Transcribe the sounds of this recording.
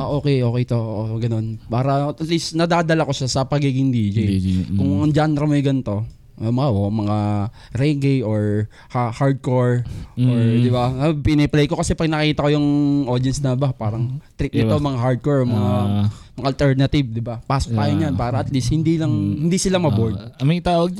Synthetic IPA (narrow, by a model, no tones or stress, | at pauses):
ʔo̞ːkɛjʔo̞ːkɛjt̪oʔoɡɐno̞npaːɾɐɐt̪lisnɐd̪aːd̪ɐlako̞ʃasɐpɐɡiːɡɪŋd̪id͡ʒijkʊŋɐŋd͡ʒaːnɾɐmojɡɐnɪt̪o̞ | omɐaʔomɐŋa | ɾɛɡɛjoɹ | hahaɹd̪̚koɹʔoɹd̪ɪbaabpɪnɛplɛjko̞kɐsɛpɐɡ̚nɐkiːt̪ɐko̞jʊŋʔo̞d̪ɐnsnɐbapaːɾɐŋt̪ɾit̪̚nɪomɐŋaɦaɹd̪̚koɹmɐŋa | mŋaʔːlt̪ɛɹnɐt̪ɪbd̪ɪbapast̪aːjonɲanpaːɾɐŋʔɐt̪lishɪnd̪ilɐŋhɪnd̪isɪlamɐboɹd̪ɐmɐjt̪aːwɐɡ̚